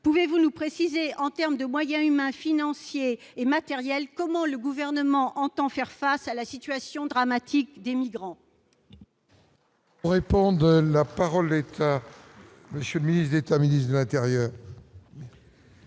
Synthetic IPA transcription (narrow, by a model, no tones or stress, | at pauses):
puvevunupχesizeʔɑ̃t̪ɛʁmd̪əmwajɛ̃ymɛ̃finɑ̃sjeːmat̪ɛʁjɛlkɔmɑ̃ləɡuvɛʁnəmɑ̃ʔɑ̃t̪ɑ̃fɛʁfasalasit̪ɥasjɔ̃d̪ʁamat̪ʰikd̪emiɡʁɑ̃ | uʁepɔ̃d̪əlapaʁɔld̪et̪ʰa | məsjələminisd̪et̪aminist̪d̪əlɛ̃t̪ɛʁjœːʁ